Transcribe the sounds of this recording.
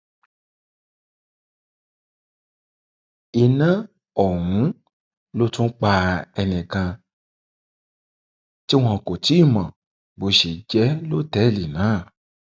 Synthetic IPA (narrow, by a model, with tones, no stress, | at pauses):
i˧nã˦ | ɔ˦˨w̃ũ˨˦ | lo˦tũ˦k͡pa˧ɛ˧nĩ˨kã˧ | ti˦w̃ɔ̃˧˨ko˨ti˨˦i˦˨mã˨ | bo˧ʃe˨d͡ʒɛ˨˦lo˦tɛ˨˦˨li˨nãː˨˦˨